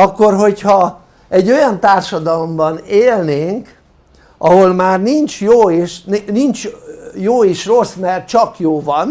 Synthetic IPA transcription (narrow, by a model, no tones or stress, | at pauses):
ɒkːo̞rɦo̞chɒ | ɛɟːo̞jɒnt̪aːrʃɒd̪ɒlo̞mbɒneːlneːŋk | ʔɒɦo̞lmaːrnint͡ʃjoːeːʃnnint͡ʃjoːiʃro̞smɛrt͡ʃɒkjoːvɒn